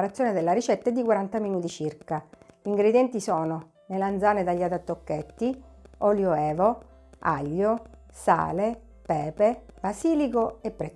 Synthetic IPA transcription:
aɾat̪sːjoned̪elːaɾit͡ʃɛt̪ːaɛd̪ːikwaɾant̪aminuːt̪it͡ʃirkaʎiŋɡɾed̪jɛnt̪isɔːno | leland̪zaːned̪aʎːat̪at̪ːokːet̪ːiɔljoɛːvo | a̰ʎːo | sa̰ːle | pɛːpebasiːlikoepːɾɛ

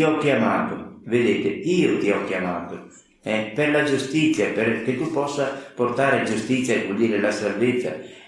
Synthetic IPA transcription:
iɔkːjamaːt̪ʊved̪eːt̪eiːʊt̪iɔkːjamaːt̪ʊ | ɛperlad͡ʒust̪it̪sːjaperk̟et̪upɔsːaport̪aːɾɪad͡ʒust̪it̪sjaevuld̪iːɾelasalvet̪sːa̰

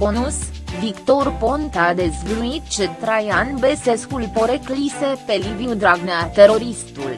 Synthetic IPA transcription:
ponusvikt̪orpont̪ad̪ezɡluit̪t͡ʃet̪ɾajanbeseskulpoɾeklisepeliviud̪ɾaɡneat̪eɾo̞ɾist̪ul

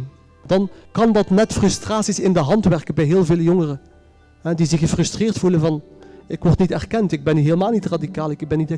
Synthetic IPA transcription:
dɑnkɑndɑtnɛtfrɵstraːtsisɪndəɦɑntʋɛrkənbɛjɦɪːlˠveːləjoŋərə | ɦɛdizɪxəfrɵstrɪːrtfulənvɑnɪkʋɔrtnitɛrkɛntɪɡ̚bɛnyɦeːləmaːlˠnitradikaːlˠɪkbɛnːitɛ

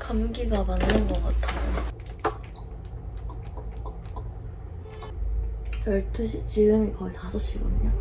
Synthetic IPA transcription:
kʰamɡiɡamanːɯnɡʌɡatʰaɡu | pjʌɭtʰɯit͡ɕiɡɯŋikʌitasʰʌɕ͈iɡʌdɯɲo

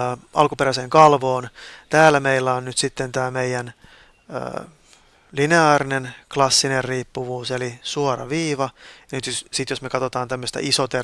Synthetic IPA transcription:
ʔɑ̰lkupeɾæseːŋkɑlʋoːnt̪æːlːæmeilːæonnyt̪sit̪ːent̪æːmeijæn̰ː | lineɑːɾinenklɑsːinerriːpːuʋuːselisuoɾɑ̰ʋiːʋɑjɑnyt̪ssit̪josmekɑt̪ot̪ɑːnt̪æmːøst̪æ̰ʔisot̪e

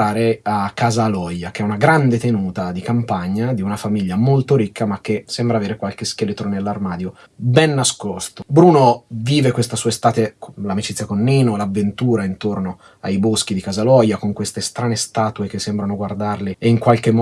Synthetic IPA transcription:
aːɾeakːazalɔjak̟eɛunaɡɾand̪et̪enuːt̪ad̪ikampaɲːad̪iunafamiʎːamolt̪oɾikːamak̟ːesɛmbɾaːveːɾekwalk̟esk̟elet̪ɾonelːarmaːd̪jo | bɛnːaskost̪obɾuːnoviːvekwest̪asuːaest̪aːt̪eklamit͡ʃit̪sjakonːiːnolavːent̪uːɾaint̪orno | a̰jbosk̟id̪ikazalɔjakoŋkwest̪est̪ɾaːnest̪aːt̪uek̟esːembɾanoɡward̪arleeiŋkwalk̟emː

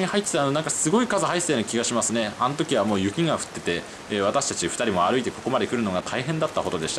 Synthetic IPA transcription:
ɲihait̪ːe̥t̪anoãŋkasɨɡo̞ikazɨɦaiseːnokʲiɡaɕimasɨne̞anot̪o̞kʲiβ̞amoːjɯ̟kʲiŋɡaɸɯ̟̥t̪ːe̞t̪e̞ | βat̪aɕi̥t̪at͡ɕiɸɯ̟̥aɾʲimo̞aɾɯ̟it̪e̞ko̞ko̞mad̪e̞kɯ̟ɾɯ̟no̞ɡat̪ʰaiɦẽ̞nd̪at̪ːaho̞d̪o̞d̪eɕi̥t̪a

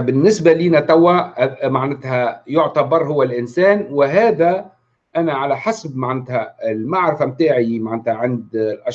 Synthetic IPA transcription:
bɪnːɪsbaliːnæt̪ˤawːæmaʕnɪt̪hæjʊʕt̪abɑɾˤɦʊwːælʔɪnsæːnwɪɦæːðæ | ʔænæʕalæħasbmaʕnɪt̪hæɪlmaʕɾfæmt̪aːʕimaʕnɪt̪hæʕɪnd̪lʔɑʃ

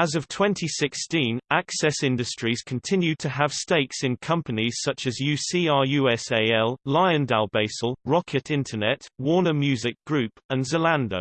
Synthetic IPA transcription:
əzəv̥tʰw̥ɛ̃ntʰisɪkstĩnaksɛsɪ̃ndəstɹ̥iz̥kʰə̃ntʰɪ̃njʉd̚tʰəəv̥steɪksɪ̃nkʰʌ̃mpəniz̥sʌt͡ʃəzjʉːsiːɑːjʉːɛseɪɛlˠlaɪə̃ndalˠbeɪsəlˠɹɒkʰɪtʰɪ̃ntʰənɛtwɔːnəmjʉːzɪk̚ɡ̥ɹʉˑpə̃nzəlãndəʊ

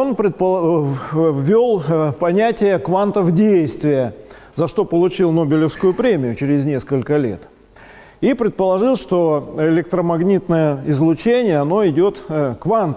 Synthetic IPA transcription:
onpɾʲɪt̪̚pə | vʲːolˠpɐnʲætʲɪjəkvant̪əvdʲejst̪vʲɪjə | zɐʂt̪o̞pəlˠʊt͡ɕilˠno̞bʲɪlʲɪfskʊjʊpɾʲemʲɪjʊt͡ɕɪɾʲɪzʲnʲe̞skəlʲkəlʲe̞̰t̪ | ipɾʲɪt̪̚pəlˠɐʐɨlˠʂt̪o̞ɪlʲɪk̚t̪ɾəmɐɡnʲit̪nəjəɪzlˠʊt͡ɕenʲɪjəɐno̞ɪdʲo̞t̪kvant̪

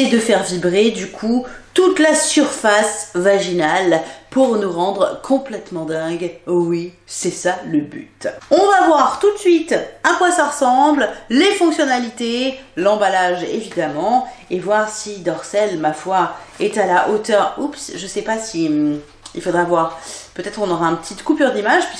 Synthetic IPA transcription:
ɛd̪əfɛʁvibʁed̪ykʰut̪ut̪lasyʁfasvaʒinalpuʁnuʁɑ̃d̪ʁkʰɔ̃plɛt̪mɑ̃d̪ɛ̃ɡwi | sɛsaləby̰t̪ɔ̃vavwaʁt̪ut̪sɥit̪akwasaʁəsɑ̃bllefɔ̃ksjɔnalit̪elɑ̃balaʒḛvid̪amɑ̃evwaʁsid̪ɔʁsɛlmafwaɛt̪alaʔot̪œʁupsʒəsɛpasim | ilfod̪ʁavwaʁpøt̪ɛt̪χɔ̃nɔʁaɛ̃pət̪ʰit̪kupyʁd̪imaʒpis

